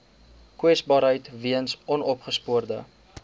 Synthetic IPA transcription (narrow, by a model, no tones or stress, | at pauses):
kwɛsbɑːɾɦəjtviənsʔɔnɔpχəspuərdə